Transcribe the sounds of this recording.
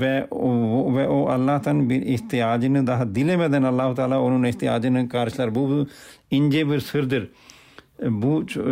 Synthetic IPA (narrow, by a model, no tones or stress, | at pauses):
ʋɛː | ʋɛːʔoːʔəlːaːt̪ənbɪɪht̪ɪaːd͡ʒɪnd̪aːɦd̪ɪlẽːmɛ̃ːd̪enəlːaːɦʊt̪aːlaːʊnõːnɪst̪ɪaːd͡ʒɪnkaːɾʃlaɾbuːb | ɪnd͡ʒeːbɪɾsɪɾd̪əɾ | buːt͡ʃ